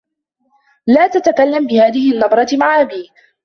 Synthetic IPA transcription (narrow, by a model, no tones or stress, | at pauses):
laːt̪at̪akalːambɪhaːðɪhɪʔanːɑb̪ˤɾˤɑmaʕʔabiː